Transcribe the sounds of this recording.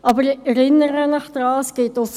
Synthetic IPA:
ʔɑbəɾɛɾɪnːəɾənɑχd̥̪ɾɑːsɡ̥etos

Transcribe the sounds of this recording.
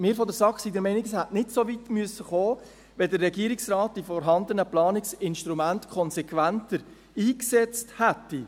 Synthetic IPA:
mɪːɾfɔdəɾsɑχsidəɾmɛnɪɡshætnɪdsovitmyəsːəχoː | ʋɛdərːɛɡiəɾiksrɑːt̚d̥ifɔɾɦɑnd̪ənəplɑːnɪksɪnʃtɾumæntkʰɔnsɛkʋæntəɾ | iːksɛt͡sthætːi

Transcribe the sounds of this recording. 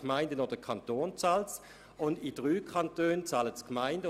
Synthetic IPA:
kmaɪndənoːd̥əkʰɑntoːnt͡sɑːls | ʊndid̥ʁyːkʰɑntøːnt͡sɑːlətskmaɪndə

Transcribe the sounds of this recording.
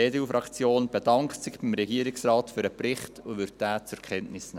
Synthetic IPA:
eːdeufɾɑkt͡sjoːnb̥ɛd̥ɑŋkt̪sɪχb̥imɾɛɡiəɾɪksɾɑːtfyːɾəprɪχtʰʊʋʏɾt̚d̥æːt͡sʊɾkʰɛntnɪsnɛ

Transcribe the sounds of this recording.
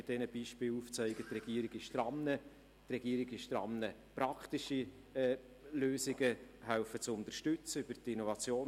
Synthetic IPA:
ɪd̥ɛnəb̥iːʃpɪːluːft͡sœɪɡət̪rɛɡ̥iːəɾɪɡɪʃd̥ɾɑmnə | t̪rɛɡ̥iəɾɪɡɪʃd̥̪ɾɑ̰mnəpɾɑktɪʃi | ɛː | løːsɪɡəɦæʊfət͡sʊnt̪əɾʃtʏt͡səyb̥əɾtɪnovɑt͡sjoː

